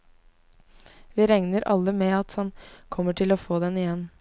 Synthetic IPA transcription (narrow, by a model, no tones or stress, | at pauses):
ʋiːɾɛŋnəɾʔɑ̰lːəmeːɑt̪hɑnkʰɔmːəʈʰɪloːfoːd̪ɛnɪjɛnː